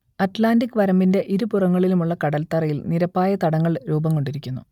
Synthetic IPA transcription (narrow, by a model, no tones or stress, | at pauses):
ɐtlaːndikːʋɐɾɐmbinde̞ʔiɾupurɐŋːɐɭilumuɭːɐkɐɽɐlt̪ɐrɐjilniɾɐpːaːjɐt̪ɐɽɐŋːɐɭɾuːbɐŋko̞ɳɖiɾikʲːunːṵ